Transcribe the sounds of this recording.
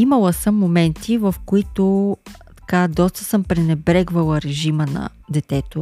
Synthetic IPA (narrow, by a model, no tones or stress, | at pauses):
iməlˠəsəmːomɛnt̪ʰivɐfkoit̪ot̪ɐ̥kad̪ɔst̪ə̥sɤmpɾɛnɛbɾɛɡvɐlˠəɾɛʒimənɐ̰ | d̪ɛt̪ɛt̪o